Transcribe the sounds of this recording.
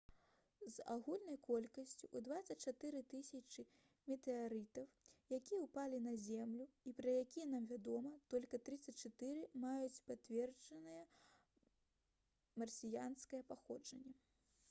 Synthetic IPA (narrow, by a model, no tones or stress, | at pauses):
zaɣulʲnɐjkɔlʲkɐsʲt͡sʲuʔud̪vat̪sɐt͡ʂat̪ɨɾɨt̪ɨsʲɐt͡ʂɨ | mʲɛt̪ɛaɾɨt̪ɐwjakʲijɛwpalʲinɐzʲɛmlʲuipɾɐjakʲijɛnamvʲad̪ɔmɐt̪ɔlʲkɐt̪ɾɨt̪sːɐt͡sʲt͡ʂat̪ɨɾɨmajut͡sʲpat̪vʲɛrd͡ʒɐnɨjɛ | mɐrsʲijanskɐjɛpaxɔd͡ʐɐnʲːɐ